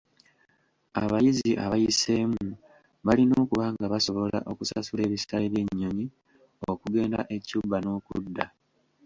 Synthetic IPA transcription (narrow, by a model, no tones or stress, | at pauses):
aβajiziʔaβajise̞mu | βalino̞ːkuβaŋɡaβaso̞βo̞la̰ʔo̞kusasule̞ːβisaiɾe̞ɲːo̞ɲi | okuɡe̞ːnda̰ʔe̞cubːano̞ːkṵdːa